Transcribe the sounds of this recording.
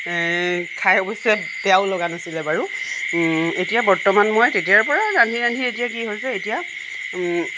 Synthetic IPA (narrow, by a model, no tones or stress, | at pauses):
kʰajɔbɔsɛ | bɛaʊlɔɡanasilɛbaɹu | etijabɔɹtɔmanmojtetijaɹpɔɹaɹandʱiɹandʱietijak̬iɦojsɛetija